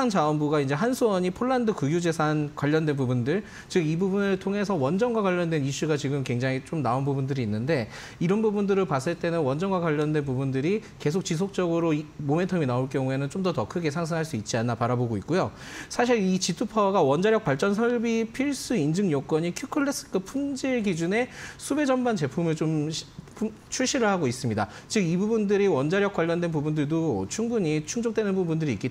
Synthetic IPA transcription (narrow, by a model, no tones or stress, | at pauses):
aŋd͡ʑaʌnbuɡaind͡ʑe̞ɦansʰuwʌɲipʰoɭːandɯkɯɡjud͡ʑe̞sʰankwaʎːʌndwe̞nbubundɯɭ | t͡ɕɯɡibubunɯɭtʰoŋe̞sʰʌwʌnd͡ʑʌnɡwakwaʎːʌndwe̞niɕ͈uɡat͡ɕiɡɯmkwe̞ŋd͡ʑaŋit͡ɕ͈omnaonbubundɯɾiːnːɯnde̞ | iɾʌnbubundɯɾɯɭpas͈ɯɭt͈e̞nɯnwʌnd͡ʑʌnɡwakwaʎːʌndwe̞npubundɯɾi | ke̞sʰok̚t͡ɕisʰok̚t͡ɕ͈ʌɡɯɾomome̞ntʰʌminaoɭk͈jʌŋue̞nɯnt͡ɕomdʌtʌkʰɯɡe̞sʰaŋs̬ʰɯŋɦaɭs͈uit̚t͡ɕ͈ianːapaɾaboɡoitk͈ojo | sʰaɕ̬ʰiɾit͡ɕitʰupʰʌɡawʌnd͡ʑaɾjʌk̚p͈waɭt͡ɕ͈ʌnsʰʌɭbipʰiɭs͈ɯind͡ʑɯŋjʌk͈wʌɲikʰjukʰɯɭːes͈ɯ̥kʰɯpʰund͡ʑiɭɡid͡ʑune̞sʰube̞d͡ʑʌmbant͡ɕe̞pʰumɯɭt͡ɕomɕpʰ | t͡ɕʰuɭɕ͈iɾɯɭhaɡois͈ɯmɲida̰ | t͡ɕɯɡibubundɯɾiwʌnd͡ʑaɾjʌkwaʎːʌndwe̞npubundɯɭdot͡ɕʰuŋbuɲit͡ɕʰuŋd͡ʑok̚twenɯnbubundɯɾiːk͈i